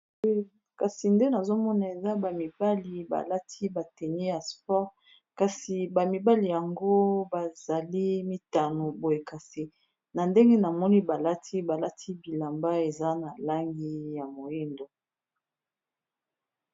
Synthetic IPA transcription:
ka˨si˨nde˦na˨zo˦mɔ˦na˨e˨za˦ba˨mi˨ba˦li˨ba̰˨la˦tʰi˦ba˨tɛ˨ni˦a˨spɔ˦ʁ | ka˨si˨ba˨mi˨ba˦li˨ja˨ŋɡo˦ba˨za˨li˦mi˦˨ta˨no˨bo˨e˨ka˨si˨ | na˨nde˦ŋɡe˦na˨mɔ˦ni˦ba˨la˦tʰi˦ba˨la˦tʰi˦bi˨la˨mba˦e˨za˦na˨la˦ŋɡi˦ja˨mo˨ji˦ndo˨

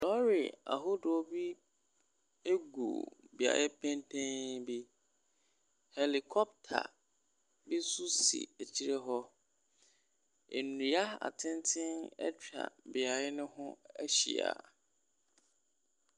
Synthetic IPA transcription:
lɔ˦ɾḭ˨a̰˨ɦʊ˦dʊ˨ɔ˦bi˦ | e˦ɡṵ˨bi˨a̰˨jɪ˦pʰɛ̃˦ntʰẽ˦nbi˦ | hɛ˨li˨kʰɔ˦p̚tʰa̰˨ | bi˦su˦sḭ˨æ˨t͡ɕʰi˦ɾe˦ɦɔ˦ | e˨nĩ˨a˦a̰˨tʰɪ̃˦ntʰɪ̃˦nɛ̰˦t͡ɕᶣa̰˨bɪ˨a˨ɾɪ˦nʊ̃˦hʊ̃˦ɛ˦ɕḭ˨a̰˨

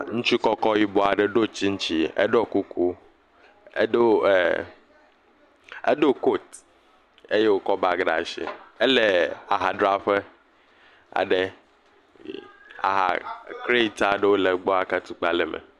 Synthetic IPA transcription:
ŋũ˦t͡ʃu˦kɔ˦kɔ˦ji˦bɔ˦a˨ɖe˨ɖo˦t͡ʃi˦ŋ̩̃˦t͡ʃi˦ḛ˦ɖɔ˦ku˦ku˦ | e˦do˦˨ | ḛ˦ɖo˦ko˦˨t̪ | e˦je˦wo˦kɔ˦ba˨ɡɖa̰˨ʃḭ˨e˦le˨a˨ɦa˨ɖɾa˦ɸe˦ | a̰˨ɖe˦ | a̰˨ɦa̰˨kɾe˦i˦t̪a˦˨ɖe˦wo˦le˨ɡ͡bɔ˦a˨ka˦t̪u˦k͡pa˨le˨mḛ˨

